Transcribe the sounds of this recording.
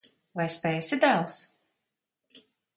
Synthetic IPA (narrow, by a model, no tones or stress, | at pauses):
vajspɛjsɪd̪ælˠs